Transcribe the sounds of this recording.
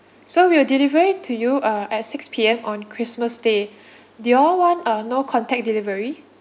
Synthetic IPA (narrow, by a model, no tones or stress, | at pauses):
sowiwədilivəɹitʰujuaʔɛt̚sɪkspʰiɛ̃mɔ̃nkʰɹisməsde | deɔlwɔ̃nanokʰɔ̃ntɛk̚dilivəɹi